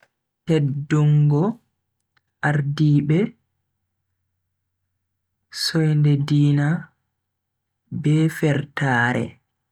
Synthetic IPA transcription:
tɛdːɔŋɡɔ | ʔaɾdiːbɛ | sɔjndɛdiːna | bɛfɛɾtaːɾɛ̰

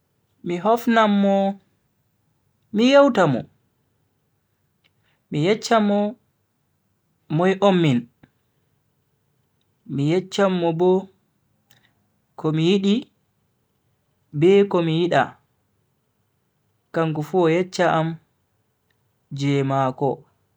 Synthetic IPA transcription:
miɦɔfnamːɔ | mijawtamɔ̰ | mijɛt͡ʃːamːɔ | mɔjʔomːin | mijɛt͡ʃːamːɔbɔ | kʰɔmijiɗi | bɛkɔmijiɗa̰ | kaŋkɔfuɔjɛt͡ʃːaʔam | d͡ʒɛmakɔ

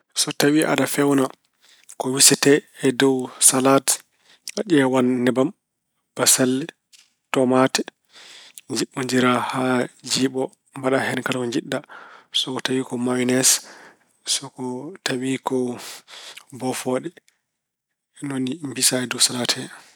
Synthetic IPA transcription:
sɔtawiʔa̰ɗafɛwna | kɔwisɛtɛɛdɔwsalat | aɗɛwanːɛbam | b̥asalːɛ | tɔmatɛ | ɲd͡ʒiɓːɔɲd͡ʒiɾahad͡ʒiːɓɔ | mbaɗahɛnkalkɔɲd͡ʒiɗːasɔkɔtawikɔmawinɛs | sɔkɔtawikɔ | bɔfɔɗɛ | nonimbisaɛdɔwsalatʰɛ

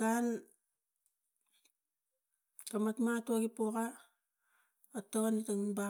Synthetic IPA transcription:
ɡan | kamatmatoɡipoka | otonitaŋba

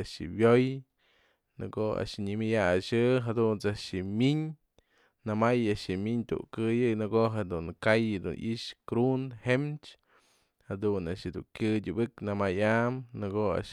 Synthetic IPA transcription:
ʃḭbjoj | nɨ̰ɡoa̰ʔʃɲɨmʲɨjaʃɨɦad̪unt͡saʔʃimʲiɲ | namajaʃimiɲt̪ṵʔkɨjɨnɨɡoɦed̪unkajd̪ṵnʔḭʔʃkɾunhemt͡ʃ | had̪una̰ʔʃɨd̪ṵŋkʲɨdʲɨbɨknamajamnɨɡoa̰ʔʃ

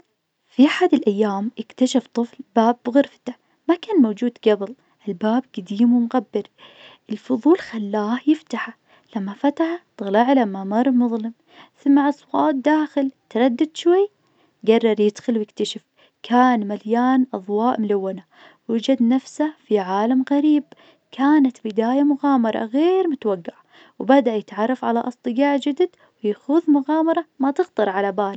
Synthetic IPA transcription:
fiʔaħad̪ɪlʔajːaːmʔɪkt̪aʃaft̪ˤɨflbaːbːɣʊɾft̪a | makaːnmoːd͡ʒuːd̪ɡabɪl | ʔɪlbaːb̚ɡ̥ad̪iːmwɪmɣabːɪɾʔɪlfʊðˤuːlxalːaːhjɪft̪aħa | lamːafat̪aħat̪ɨɣlaʕlamːamɑɾˤmʊðˤlɪm | θɪmːaʕɑsˤwɑːt̪̚d̪aːxɪlt̪ɪɾˤɑd̪ːad̪ʃwajː | ɡɑrˤːɑɾˤjɪd̪xʊlwjɪkt̪aʃɪf | kʰaːnmaljaːnʔɑðˤwɑːʔmʊlawːana | wɪd͡ʒad̪nafsafiʕaːlamɣaɾiːb | kʰaːnat̪bɪd̪aːjamʊɣɑːmɑɾˤɑ̰ɣeːɾmʊt̪waɡːaʕ | wbad̪aʔjɪt̪ʕɑrˤːɑfʕalaʔɑsˤt̪ˤɨɡaːʕd͡ʒɪd̪d̪ | wjaxʊðmʊɣɑːmɑɾˤɑmat̪ɪɣt̪ɑɾˤʕalabaːl

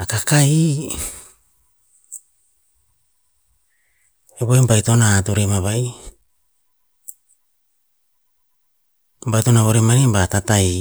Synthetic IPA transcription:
akakai | eβoembajto̞naːtuɾemaβaj | mbajto̞naβo̞ɾemanibatatai

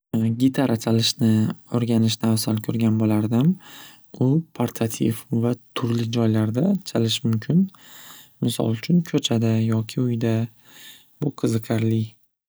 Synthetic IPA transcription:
ɡʲɪt̪ʰaɾʔat͡ʃʰalɪʃnɪoɾɡʲanɪʃnawsalkʲʰɵɾɡʲanbolaɾd̪ɪm | ʊpʰaɾt̪ʰat̪ʰḭfvat̪ʰʊɾlɪd͡ʒɒjlaɾd̪at͡ʃʰalɪʃmʊmkʲʰɪn | mɪsɒ̰lˠʊt͡ʃʰʊnkʲʰɵt͡ʃʰad̪ajɒkʲʰɪʊjd̪a | b̥ʊqʰɨzɨqʰaɾlɪ

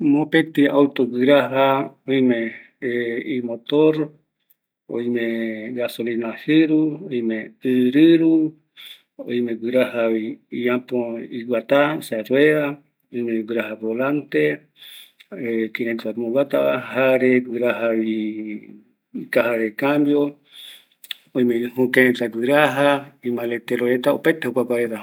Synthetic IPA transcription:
mõpẽt̪iawt̪oɡɨɾaɦaojmẽ | imot̪oɾ | o̰imẽɡasolinahɨɾuojmẽɨɾɨɾu | o̰jmẽɡɨɾahaβiiãpoiɡʷat̪asaɾweɾa | ojmẽɡɨɾaɦabolant̪e | ekinẽnt̪amõɡʷat̪aahaɾeɡɨɾaɦaβi | ikaɦaɾekãmbjo | ojmẽhũkẽt̪aɡɨɾaɦaimãlet̪eɾoet̪aopat̪ehokʷakaeɾa

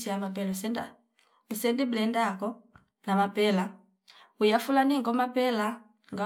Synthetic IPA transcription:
siamap̬ɛlasɛnda | usɛndiblɛndakɔ | namapɛla | ujafulaniŋɡɔmapɛla | ŋɡa

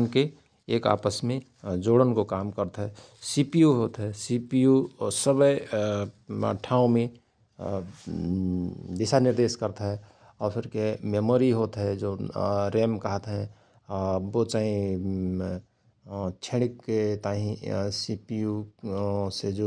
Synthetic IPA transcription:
nke | eːka̰ːpəsmẽ | d͡ʒoːɽənkokaːmkəɾt̪ɦɛ | sipijuɦoːt̪ɦɛsipijusəbə | ʈʰaːũmẽ | d̪ɪsanɪɾd̪eːskəɾt̪ɦɛ | ɔːɾpʰɪɾkememoːɾiɦoːt̪ɦɛd͡ʒoːɾeːmkəɦət̪ɦɛ̃ | bot͡ʃaĩ | t͡ʃʰeɽkːet̪aɦĩsipiju | sed͡ʒo

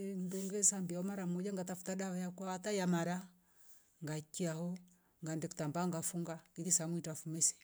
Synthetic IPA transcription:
m̩dɔŋɡɛsambiaɔmaɾam̩ɔd͡ʒaŋɡatafu̥taɗaɔjakwaatajamaɾa | ŋɡakiahɔ | ŋɡandɛku̥tambaŋɡafuŋɡakiðisamwitafumɛsɛ̥

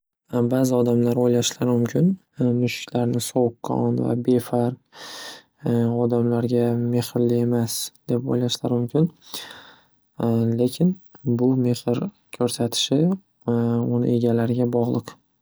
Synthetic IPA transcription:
baːzɪɒd̪amlaɾojlaʃlaɾmʊmkʰʲɪn | mʊʃɪ̥kʲlaɾnɪsowkʰɒ̰nva̰be̞faɾq | ɒd̪amlaɾɡʲame̞hɪɾlɪe̞masd̪̥e̞po̰jlaʃlaɾmʊmkʲʰɪn | le̞kʲʰɪnbʊme̞hɪɾ | kʲʰɵɾsat̪ʰɪ̥ʃɪ | ʊnɪ̰e̞ɡʲalaɾɪɡʲabɒʁlˠɨq

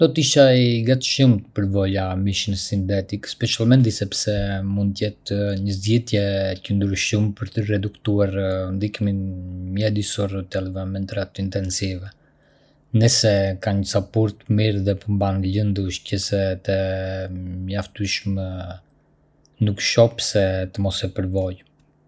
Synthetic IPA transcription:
nd̪ɔt̪iʃaiɡat̪ʃumt̪əpəɾvɔjamiʃinsint̪ɛt̪ikspɛʃalmɛnd̪isɛpsɛmund̪t̪jɛt̪ɲəzɛt̪jɛcənd̪ɾuʃumpəɾt̪ərɛd̪ukt̪uaɾnd̪ikminmɛd̪isɔɾt̪ɛlvɛmɛnt̪ɾat̪int̪ɛnsivɛ | nɛsɛkaɲəsapuɾt̪miɾðɛpəmbanlənd̪uʃcəsɛt̪ɛ | məjaft̪uʃmɛ | nukʃɔpsɛt̪əmɔsɛpəɾvɔj

